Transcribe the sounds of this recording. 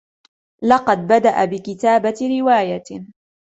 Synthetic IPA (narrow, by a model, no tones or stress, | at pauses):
lɑqɑd̪̚bad̪aʔabɪkɪt̪aːbaɾɪwaːja